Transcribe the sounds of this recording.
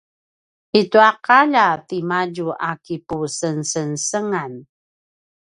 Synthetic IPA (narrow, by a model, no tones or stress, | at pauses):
ituaqaʎatimaɟuʔakipusənsənsəŋan